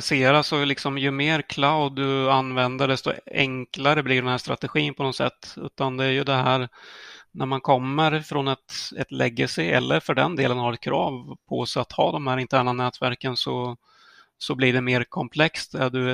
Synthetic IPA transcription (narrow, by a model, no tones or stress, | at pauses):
seːɾasɔlɪksɔmjɵmeːɾkʰlaʊd̪ːɵanvɛnd̪əɖ̪ɛst̪ɔ̰ɛ̰ŋklaɾəblɪɖɛnhæːʂt̪ɾa̰t̪ɛɧiːnpʰɔnɔsɛ̰t̪ːʉ̟ːt̪and̪ɛæɾjɵd̪ɛɦæːɾnæɾmankʰɔmːəɾfɾɔnɛt̪ɛt̪lɛɡəsɪɛ̰lːəɾfœɖɛnd̪eːlənhaɾɛt̪̚kʰɾɑːvpʰɔsɛat̪hɑːd̪ɔmhæːɾɪnt̪ʰæːɳanɛːt̪væɾkənsɔ | sɔblɪɖɛmeːɾkʰɔmpʰlɛkst̪æɖɵ